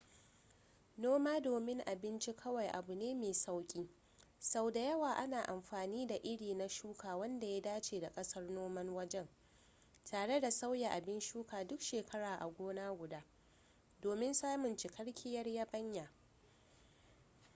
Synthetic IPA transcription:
noː˦maː˦doː˨mɪ˦ŋʔa˨bɪ˦nt͡ʃi˦kʰɐ˦wa˨jʔa̰˨bu˨neː˦meː˨sa˦wkʲʼiː˦ | sa˦wda˨jɐ˦waː˨ʔa˦naː˨ʔa˨mɸaː˨niː˦da˨ʔɪ˦ɽiː˨na˦ʃuː˦kʰaː˨wɐ˦nda˨ja˦daː˦t͡ʃeː˨da˨kʼɐ˦sɐ˦rnoː˦mɐ˦nwɐ˦d͡ʒɛ˦ŋ | tʰaː˨ɽe˦da˨sa˦wja˨ʔa˨bɪ˦nʃuː˦kaː˨dʊ˦kʃeː˨kʰɐ˦ɽaː˨ʔa̰˨ɡʷoː˦naː˦ɡʷʊ˨daː˦ | doː˨mɪ˦nsaː˦mʊ˨nt͡ʃɪ˨kɐ˦ɽkʲʰɪ˦jɐ˦rjaː˦bɐ˦ɲjaː˨

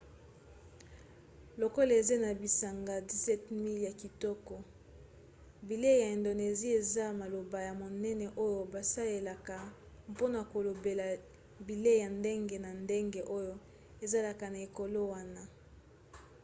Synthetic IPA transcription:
lo˨ko˦la˨e˨ze˦na˨bi˨sa˨ŋɡa˨di˦sɛ˦tmi˦lja˨ki˨tɔ˦kɔ˦ | bi˨le˦ja˨e˨ndo˨ne˨zi˦e˨za˦ma˨lo˨ba˨ja˨mo˨nɛ˦nɛ˨ʔo˦jo˨ba˨sa˦le˨la˨ka˨ | po˦na˨ko˨lo˨be˨la˨ | bi˨le˦˨ja˨nde˦ŋɡe˨na˨nde˦ŋɡe˨ʔo˦jo˦ | e˨za˦la˨ka˨na˨e˨ko˨lo˦wa˦na˦

